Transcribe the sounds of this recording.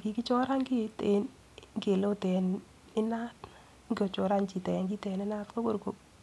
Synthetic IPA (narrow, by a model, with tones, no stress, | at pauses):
ki˨˦ki˦t͡ʃɔ˦ɾa˦ŋɡi˦te˨n | ŋɡe˨lo˦tɛ˨n | ɪ˦na˦t | ŋɡɔ˨t͡ʃo˨ɾa˦nt͡ʃi˨tɛ˨ŋɡi˦tɛ˨nɪ˦na˦tko˦ko˨ɾko˨